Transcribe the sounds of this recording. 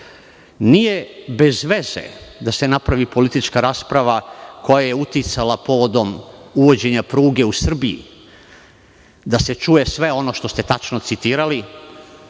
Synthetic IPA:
nije̞be̞zʋe̞zḛd̪ase̞napɾaʋipo̞lit̪it͡ʃkaɾaːspɾaʋako̞jaje̞ut̪it̪salapo̞ʋo̞d̪o̞muʋo̞d͡ʑe̞ɲapɾuːɡe̞usr̩biḭ | d̪ase̞t͡ʃuje̞sʋe̞o̞no̞ʃt̪o̞st̪e̞t̪at͡ʃnot̪sit̪iːɾali

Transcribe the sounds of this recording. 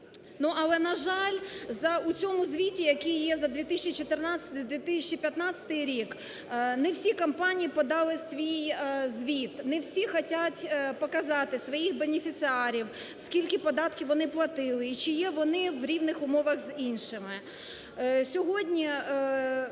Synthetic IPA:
nuʔɐlˠɛnɐʒɑlʲzɐʊt͡sʲɔmʊzʋʲitʲijɐkʲijjɛzɐd̪ʲʋʲit̪ɪsʲt͡ʃit͡ʃɔt̪ɪrnɑt͡sʲɐ̥t̪d̪ʋʲit̪ɪsʲɛt͡ʃːipʲjɐt̪nɑt͡sʲɐ̥t̪ɪjɾʲik | nɛwsʲikɐmpɑnʲijipɔd̪ɑlˠɪsʋʲijzʲʋʲit̪nɛwsʲixɔtʲatʲpɔkɐzɑt̪ɪsʋɔjixbenʲɪfʲit̪sɪɑɾʲiw | skʲilʲkʲɪpɔd̪ɑt̪kʲiʋɔnɪplˠɐt̪ɪlˠɪit͡ʃɪjɛʋɔnɪʋɾʲiʋnɪxʊmɔʋɐɣzinʃɪmɪ | sʲɔɦɔdʲnʲi

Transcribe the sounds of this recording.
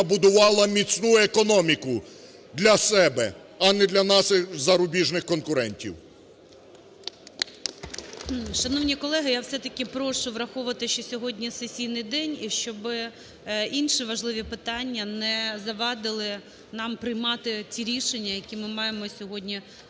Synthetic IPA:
bʊd̪ʊʋɑlˠɐmʲit͡sʲnujʊekɔnɔmʲikʊ | d̪lʲɐsɛbɛ̰ | ɐnɛd̪lʲɐnɑʃɪxzɐɾʊbʲiʒnɪxkɔnkʊɾɛnʲtʲḭw | ʃɐnɔwnʲikɔlˠɛɦɪjawsɛt̪ɐkʲɪpɾɔʃʊʋɾɐxɔʊʋɐt̪ɪʃt͡ʃɔsʲɔɦɔdʲnʲisesʲijnɪjd̪ɛnʲiʃt͡ʃɔbɪ | inʃiʋɐʒlˠɪʋʲipɪt̪ɑnʲːɐnɛzɐʋɑd̪ɪlˠɪ | nɑmpɾɪjmɑt̪ɪt͡sʲiɾʲiʃenʲːɐjɐkʲimɪmɑjemɔsʲɔɦɔdʲnʲi

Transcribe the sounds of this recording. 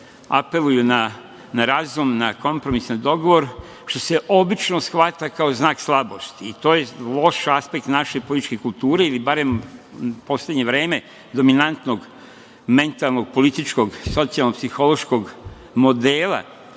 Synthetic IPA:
a̰pe̞lujuna | naɾazumnako̞mpɾo̞misnid̪o̞ɡo̞ʋo̞ɾ | ʃt̪o̞se̞ʔo̞bit͡ʃno̞sxʋat̪akaoznaːkslˠabo̞st̪iːt̪o̞ːjelˠo̞ʃaspe̞k̚t̪naʃe̞polit̪it͡ʃʃkekulˠt̪uːɾe̞ilibaɾe̞m | po̞slʲeɲeʋɾe̞ːme̞ | d̪o̞minant̪no̞ɡ | me̞nt̪alˠno̞ɡ̚po̞lit̪it͡ʃko̞ɡso̞t̪sialnopsixo̞lo̞ʃko̞ɡ | mo̞d̪eːlˠa̰

